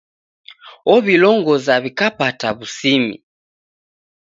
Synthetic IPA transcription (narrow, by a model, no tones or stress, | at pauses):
ɔβilɔŋɡɔzaβikapataβusimḭ